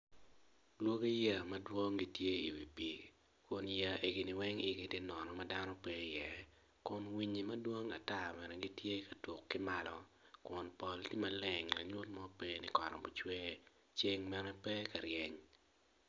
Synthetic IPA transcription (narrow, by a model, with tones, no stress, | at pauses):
lwo˦ɡe˦ja˨mɐ˦dwo˦ŋɡi˦tje˦ḭ˨wi˨pi˨ | kʊ˨nja˨ʔe˨ɡi˨nɪ˨wɛ˦ŋɪ˨ɡi˦ti˦nɔ˨nɔ˨mɐ˦da˦nɔ˦pɛ˦jɛ˨ | kʊ˨nwi˨˦ɲi˨mɐ˦dwo˦ŋa̰˨ta˦˨mɛ˨nɛ˨ɡi˦tje˦kɐ˨tʊ˨kːɪ˦ma˦lɔ˦kʊ˨npɔ˨lti˦mɐ˨lɛ˨ŋla̰˨ɲʊ˦tmɔ˦pe˦nɪ˨kɔ̰˨ɾɔ̰˨bʊ˨t͡ʃwɛ˦ | t͡ʃe˦ŋmɛ˦nɛ˦pɛ˦ka˨ɾjɛ˦ɲ